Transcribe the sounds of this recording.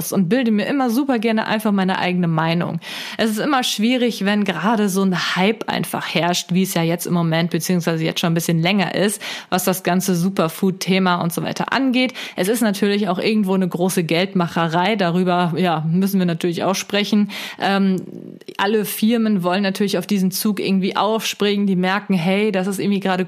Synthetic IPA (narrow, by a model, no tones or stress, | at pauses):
sʊnt̚b̥ɪldəmiːɐʔɪmɐzuːpɐɡɛɐnəʔa̰ɪnfaχmaɪnəʔa̰ɪɡənəmaɪnʊ̰ŋ | ʔɛsɪs̬tʔɪmɐʃv̥iːʁ̞ɪçvɛnɡʁaːɾəzoːnhaɪpʔa̰ɪnfa̰χhɛɐʃtviːɛsjaːjɛt͡stɪmːomɛnt̚b̥ət͡siːʊŋs̬v̥aɪzəjɛ̰t͡stʃoːnbɪsçənlɛŋɐ̰ʔɪ̰stvasd̥asɡ̥ant͡səzuːpɐfuːtʰːeːmaʊ̰ntz̥ova̰ɪtʰɐ̰ʔa̰nɡeːtʔɛsɪstnatʰyːɐlɪçaʊxʔɪɐɡŋ̩tv̥oːnəɡʁoːsəɡɛltmaχəʁaɪdaʁyːbɐjaːmʏsn̩viːɐnatʰyːɐlɪça̰ʊxʃpʁ̥ɛçn̩ʔɛːm | ʔaləfɪɐmənvɔlənːatʰyːɐlɪçaʊfd̥iːzn̩t͡suːkʔɪ̰ɐɡŋ̩tv̥iːʔa̰ʊfʃpʁ̥ɪŋəndiːmɛɐkŋ̩ɦɛɪdas̬ɪstɪɐɡŋ̩tv̥iːɡʁaːɾə